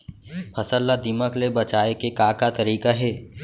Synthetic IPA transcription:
pʰɐsəlːad̪iməklebɐt͡ʃaːekekaːkat̪ɐɾiːkaɦɛː

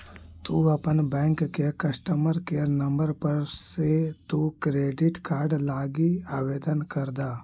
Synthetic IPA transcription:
t̪uɐpənbɛ̃ːŋkːekəsʈəməɾkenɐ̃mbəɾpəɾset̪ukɾeːɖɪʈkaːɾɖlaːɡiaːʋeːd̪ənkɐɾd̪aː

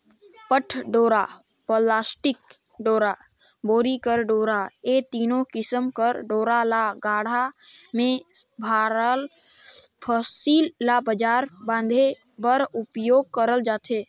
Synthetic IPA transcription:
pəʈʰɖoːɾaː | poːlaːsʈɪk̚ | ɖoːɾaː | boːɾikəɾɖoːɾaeːt̪iːnõkɪsəmkəɾɖoːɾalaɡaːɽ̤amẽbʱaːɾəl | pʰosiːlːaːbəd͡ʒaːɾbãːnd̪ʱe | bəɾʊpjoːɡ̚kəɾəld͡ʒaːt̪ʰeː

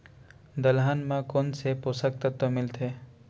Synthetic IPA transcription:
d̪əlɦanmãkonseposək̚t̪ət̪ːomɪlt̪ʰeː

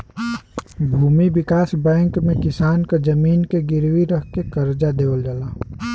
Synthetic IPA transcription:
bʱuːmibɪkaːsbɛ̃ːŋkmẽkɪsaːnkad͡ʒəmiːnkeɡɪɾwiɾəkkekəɾd͡ʒad̪eːwəld͡ʒalaː

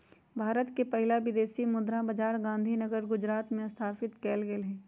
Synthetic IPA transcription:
bʱaːɾət̪kepɐɦɪlaʋɪd̪eːsimʊd̪ɾãbɐd͡ʒaːɾɡãːnd̪ʱinəɡəɾɡʊd͡ʒɾaːt̪mẽst̪ʰaːfɪt̪kɛːlɡelɦɛ̃ː

